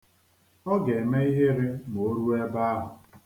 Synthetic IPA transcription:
ɔ˦ɡe˨me˦i˦ɦe˦ɾe˦m˨o˦ɾu˦e˦ba˦a˦ɦʊ˨

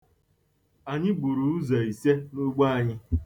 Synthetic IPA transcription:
a˨ɲɪ˦ɡ͡bu˨ɾu˨u˦za˨i˨se˦nu˦ɡ͡ba˦a˨ɲɪ˦

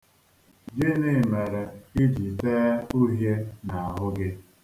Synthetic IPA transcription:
d͡ʒɪ˦nɪ˦˨me˨ɾe˨i˦d͡ʒi˨teː˦u˦ɦje˦na˨a˨ɦʊ˦ɡɪ˦

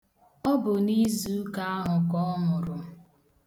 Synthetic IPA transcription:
ɔ˦bʊ˨ni˦zu˨˦ka˦a˦ɦʊ˨kɔ˦mʊ˨ɾʊ˨

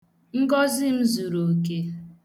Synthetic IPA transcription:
ŋ̩˦ɡɔ˦zɪ˦m̩˦zu˨ɾo˨ke˦

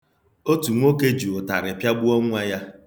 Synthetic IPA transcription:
o˦tu˨ŋʷo˦ke˦d͡ʒu˨o˨ta̰˨ɾɪ˨pja˦ɡ͡bu˦o˦ŋʷ˦a˦ja˦

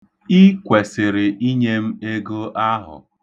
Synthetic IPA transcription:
i˦kʷe˨sɪ˨ɾɪ˨i˦ɲe˦m̩˦e˦ɡo˦ʔa˦ɦʊ̰˨

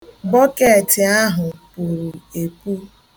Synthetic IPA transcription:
bɔ˦ke˦˨tɪ˨a˦ɦʊ˨pu˨ɾu˨e˨ku˦

